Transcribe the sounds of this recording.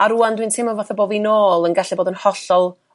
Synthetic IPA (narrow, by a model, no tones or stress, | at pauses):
aɾuandwintʰɪmɔvaθaboːvinoːlˠənɡaɬɛboːdənhɔɬɔlˠ